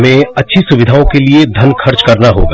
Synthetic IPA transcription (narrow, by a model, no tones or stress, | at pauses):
mẽɐtːʃʰisʊʋɪd̪ʱaõkelied̪ʱɐnkʰɐɾt͡ʃkɐɾnaɦo̰ːɡa